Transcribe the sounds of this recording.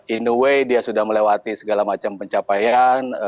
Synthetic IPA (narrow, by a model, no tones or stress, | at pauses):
inuwejdiasudahməlewat̪isəɡalamat͡ʃampəɲt͡ʃapajan